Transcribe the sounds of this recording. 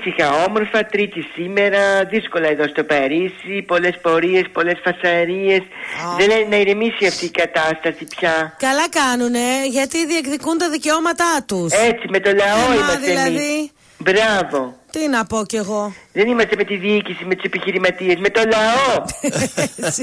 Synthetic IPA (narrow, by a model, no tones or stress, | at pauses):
sixɐo̞mo̞ɾfɐt̪ɾit̪isime̞ɾɐðisko̞lɐeðo̞st̪o̞peɾisipo̞le̞spo̞ɾie̞spo̞le̞sfɐsɐɾie̞sðelenɐiɾimisiɐft̪iːkɐt̪ɐst̪ɐsipçɐkɐlɐkɐnune̞ʝɐt̪iðiekðikunt̪ɐðiceomɐt̪ɐt̪usesime̞t̪o̞lɐo̞imɐsðelɐði | bɾɐvo̞t̪inɐpo̞ce̞ɣo̞ðe̞nimɐst̪e̞me̞t̪iðiicisimet̪usepiçiɾimɐt̪ie̞zme̞t̪o̞lɐo | s